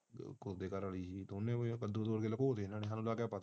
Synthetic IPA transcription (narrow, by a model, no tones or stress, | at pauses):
kʊɾd̪eːkəɾəliːsiːt̪oʊnːẽːkəd̪od̪oːɾkeːləkoːt̪eːnanẽːɦãːnũːlaːkɛːpət̪a